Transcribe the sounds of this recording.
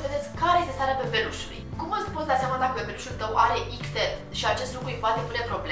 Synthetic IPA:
ved̪esʲkkːaɾejest̪est̪aɾeapeveluʃulṵjkumast̪pot̪d̪at̪sjamad̪akəpeveluʃult̪əwʔaɾe̞ʔikset̪ | ʃiat͡ʃest̪lukɾuipat̪epunepɾo̞ble

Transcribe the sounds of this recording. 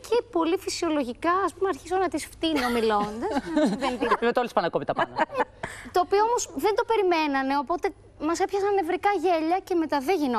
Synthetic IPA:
cʰepo̞lifisio̞lo̞ʝikɐɐspumeɐɾçisonɐt̪isft̪ino̞milo̞nd̪ɐssvent̪ivet̪olispɐnɐkomit̪ɐpɐnɐ | t̪o̞ːpioomosðend̪o̞pe̞ɾimenɐne̞o̞po̞t̪e̞ | mɐse̞pçɐsɐnːevɾikɐʝeʎɐce̞me̞t̪ɐðeʝino

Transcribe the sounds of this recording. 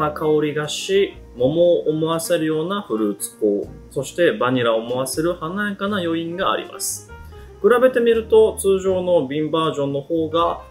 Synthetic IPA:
akaoɾʲiɡaɕi | mo̞mo̞ʔːmo̞βase̞ɾɯ̟jo̞ːnaɸɯ̟ɾɯ̟ːt͡sɨ̥ko̰ːso̞ɕi̥t̪e̞baɲ̟iɾaomo̞βase̞ɾɯ̟hanaekanajo̞ĩŋɡa̰ːɾʲḭma̰sɨ̥ | kɯ̟ɾabe̞t̪e̞mʲiɾɯ̟t̪o̞t͡sɨːʑo̞ːno̞bʲĩmbaːʑõ̞nːo̞ho̞ːɡa

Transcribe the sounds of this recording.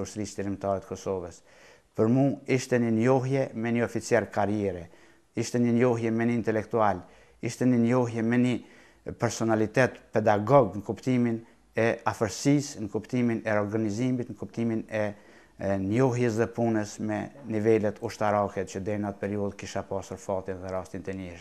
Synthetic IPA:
uʃt̪ɾisd̪iɾimt̪aɾɛt̪əkɔsɔvəs | pəɾmuiʃt̪ɛnənjɔɦjɛmɛɲəɔfit͡sjɛɾkaɾjɛɾɛ | iʃt̪ɛnənjɔɦjɛmɛnint̪ɛlɛk̚t̪ual | iʃt̪ɛninjɔɦjɛmɛni | pɛɾsɔnalit̪ɛt̪pɛd̪aɡɔɡnəkupt̪imin | ɛafəɾsisnəkupt̪iminɛɔɾɡanizimit̪nəkupt̪iminɛ | njɔhjɛs̬ðɛpunəsmɛnivɛlɛt̪ʰuʃt̪aɾakɛt͡ʃəd̪ɛnat̪̚pɛɾiuðkiʃapasuɾfat̪inðɛɾast̪int̪ɛniʃ

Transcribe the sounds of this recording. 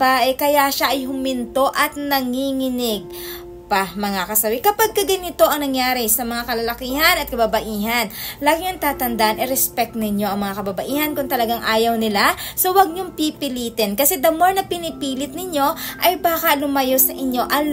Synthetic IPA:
baʔɛkɐjaʃaʔɐjhʊmɪnt̪o̞ʔɐt̪̚nɐŋiːŋɪnɪɡ̚ | pɐmɐŋakɐsɐwɪkɐpaɡ̚kɐɡɐnɪt̪o̞ʔɐŋnɐŋjaːɾɪsɐmɐŋakɐlɐlɐkiːhɐnɐt̪̚kɐbabɐʔiːɦɐnlaːɡɪŋɐŋt̪aːt̪ɐnd̪aʔɐnʔɛɾɛspɛk̚t̪nɪɲo̞ʔɐŋmɐŋakɐbɐbɐʔiːhɐnkʊnt̪ɐlɐɡaŋʔaːjɐwnɪlaso̞wɐɡ̚ɲoŋpipɪliːt̪ɛnkɐsɛd̪ɐmoɹnɐpɪnɪpiːlɪt̪̚nɪɲo̞ʔɐjbaːkɐlʊmɐjo̞sɐʔɪɲo̞ʔɐ

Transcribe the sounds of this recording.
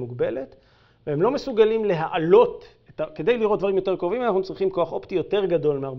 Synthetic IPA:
muɡbe̞let | vehemlo̞mesuɡalimle̞ɦaʔalo̞t | etakedejliʁot̚d̪vaɐʁimjo̞te̞ʁkʁovimanaχnut͡sʁiχimko̞aχo̞ptijo̞te̞ʁɡado̞lmeaʁ

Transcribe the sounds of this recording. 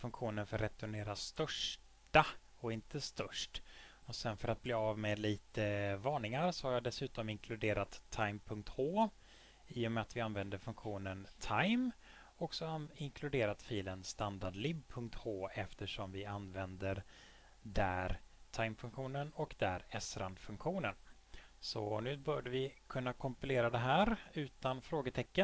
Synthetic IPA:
fɵŋkɧuːnənfœɾːɛt̪ʊɳeːɾast̪œʂ | ʈa | ɔɪnt̪əst̪œʂʈɔsɛnfœɾat̪̚bleːavmeːd̪liːt̪əvɑːɳɪŋaɾsɔhaɾjɑːd̪ɛsʉ̟ːt̪ɔmɪŋkʰlɵd̪eːɾat̪ʰːajmpʰɵŋk̚t̪hoː | iːʊmɛat̪vɪanvɛnd̪əɾfɵŋkɧuːnənt̪ʰajm | ɔksɔaɪŋkʰlɵd̪eːɾat̪fiːlənst̪and̪aɖlɪbpʰɵŋk̚t̪kʰoːɛft̪əʂɔmvɪanvɛnd̪əɾ | d̪æ̰ːɾt̪ʰajmfɵŋkɧuːnənɔkd̪æ̰ɾɛsɾand̪fɵŋkɧuːnən | sɔ̰nʉ̟ːbœːɖəvɪkʰɵnːakʰɔmpɪleːɾad̪ɛɦæːɾʉ̟ːt̪anfɾoːɡət̪ʰɛkːən

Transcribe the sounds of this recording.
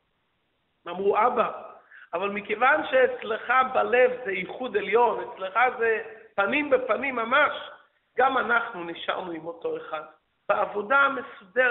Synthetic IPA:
amʁuʔabaavalmikevanʃeːt͡sleχabalɛvzɛiχud̪ɛljonet͡sleχazɛpanimbepanimːamaʃ | ɡamanaχnuniʃa̰ʁnuimotoeχad | baavodamesudɛ

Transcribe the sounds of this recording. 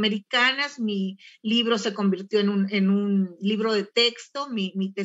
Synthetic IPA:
meɾikanazmiliβ̞ɾo̞se̞ko̞mbiɾt̪jo̞enune̞nunliβɾo̞ðe̞t̪e̞kst̪o̞mimit̪e

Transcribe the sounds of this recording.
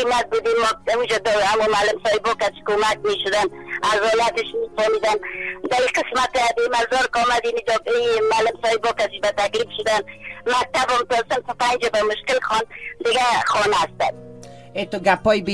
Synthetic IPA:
imat̪̚bud̪imɔd̪aud͡ʒad̪ɔamumaːlɪmsɔɪbɔkasi̥komak̚meʃʊd̪anazhɔlat̪ɪʃmet̪ɔmid̪and̪aiqɪsmat̪d̪imaɾzɔɾkɔmad̪inid͡ʒɔimalɪmsɔɪbɔkasibat̪aklifʃʊd̪anmak̚t̪abɔmt̪ɔsɪmt̪ʊpand͡ʒabamʊʃkɪlxɔnd̪ɪɡaxɔnast̪a̰d̪ | et̪oɡapɔjb

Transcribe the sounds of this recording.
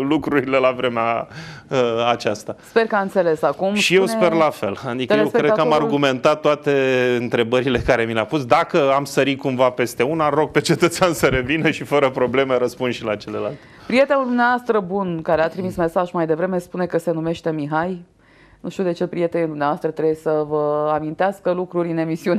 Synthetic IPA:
lukɾuɾile̞lavɾe̞meaəat͡ʃast̪aspe̞rkəaɨnt̪se̞le̞sakumʃijewspe̞rlafe̞̰lad̪ikjjewkɾed̪kəamarɡume̞nt̪at̪ːoat̪e̞ɨnt̪ɾe̞bəɾile̞kaɾe̞mileapusd̪akəamsəɾikumvape̞st̪eunaɾo̞ɡ̚pe̞t͡ʃe̞t̪ət̪seansəɾe̞vinəʃifəɾəpɾo̞ble̞meɾəspunʃilat͡ʃele̞la̰lt̪pɾije̞t̪enuld̪umneavoast̪ɾəbunkaɾeat̪ɾimisme̞saʒmajd̪e̞vɾe̞me̞spune̞kəse̞nume̞ʃt̪e̞miɦaj | nuʃt̪ud̪e̞t͡ʃe̞pɾije̞t̪enid̪umneavast̪ɾət̪ɾebjesəvəamint̪easkəlukɾuɾʲɨne̞misiun

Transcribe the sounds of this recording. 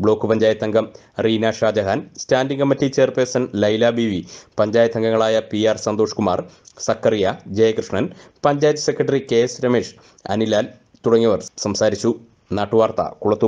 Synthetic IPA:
bɭo̞ːkːɨpɐɲd͡ʑaːjɐt̪ːɐŋɡɐm | riːnaːʂraːd͡ʑɐɦaːnstaːndiŋɡɐmːɐtːit͡ɕe̞ːrpersɐnlɐjlaːbiʋipɐɲd͡ʑaːjɐt̪ːɐŋɡɐŋːɐɭaːjɐpiaːrsɐnd̪oːʂkuma̰ːrsɐkːɐrijɐd͡ʑejɐkrɨʂɳɐnpɐɲd͡ʑaːjɐt̪ːɐ̥se̞kːrɐʈːɐrike̞ːsɾɐmeːʂ | ɐ̰nilaːl | t̪uɽɐŋːɐʋɐrsɐmsaːɾit͡ɕːu | naːʈːuʋaːrt̪ɐ̰kuɭɐt̪ːu

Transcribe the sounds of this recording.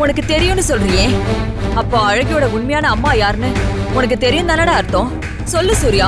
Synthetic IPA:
ʊnɐkːɯt̪ɛɾɪjʊ̃nːɯsɔlːɯɾɪjẽː | ɐpːoːɐɻɐɣɪjoːɽɐʊɳmɐjaːnɐɐmːaːjaːɾnɯʊnɐk̬ːɯt̪ɛɾɪjʊ̃nd̪aːnaːɽɐɐɾɯt̪ːõː | sɔlːɯsuːɾɪjaː

